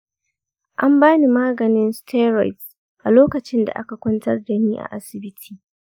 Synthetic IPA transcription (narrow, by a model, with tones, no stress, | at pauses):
ʔa˦mbaː˦ni˨maː˦ɡɐ˨nɪ˦nstʰeː˦ɾa˨jt | ʔa˨loː˦kɐ˨t͡ʃɪ˦nda̰˨ʔa̰˦ka˨kʷʊ˦ntɐ˦rda˨niː˦ʔa̰˨ʔa˦sɪ˨bɪ˦tʰi̥ː˨